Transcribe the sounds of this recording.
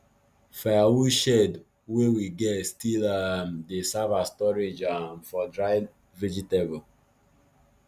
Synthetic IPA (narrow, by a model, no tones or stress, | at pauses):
faawuʃɛd | wewiɡɛtstilamdesavastɔɾed͡ʒãmfɔdɹaɪ | vid͡ʒitebo